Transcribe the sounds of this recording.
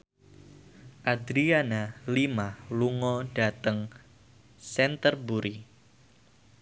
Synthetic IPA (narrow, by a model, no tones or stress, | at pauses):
ʔad̪ɾianalimaluŋɔɖat̪əŋ | sɛnt̪ərbuɾi